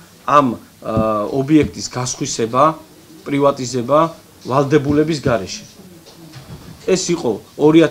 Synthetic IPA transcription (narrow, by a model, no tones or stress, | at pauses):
am | ɔbiɛk̚ʰt̪ʼisɡasχwisɛba | pʼɾivat̪ʼizɛba | valˠd̪ɛbulɛbis̬ɡaɾɛʃɛ̥ | ɛsiqʼɔɔɾia